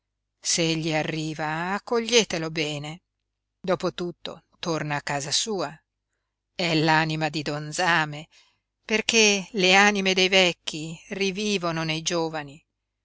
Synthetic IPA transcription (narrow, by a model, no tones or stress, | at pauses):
seeʎːiarːiːvaakːoʎːeːt̪elobɛːne | d̪ɔːpot̪ut̪ːo̰ | t̪ornaːkːaːzasuːa | ɛlaːnimad̪id̪ond̪zaːme | perkeleanimed̪ejvɛkːiriviːvononejd͡ʒoːvani